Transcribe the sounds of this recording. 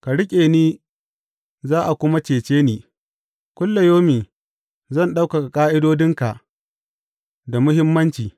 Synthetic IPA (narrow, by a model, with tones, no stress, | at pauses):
ka˨ɽɪ˦kʲʼeː˨niː˦ | zaː˦ʔa˨kʷʊ˦ma˦t͡ʃeː˨t͡ʃeː˦niː˨ | kʷʊ˦lːa˨joː˦miː˨ | zɐ˦˨nɗa˦wka˨ka˨kʼaː˦ʔɪ˦doː˦dɪ˦ŋka˨ʔ | da˨mʊ˦ɦɪ˦mːɐ˦nt͡ʃiː˨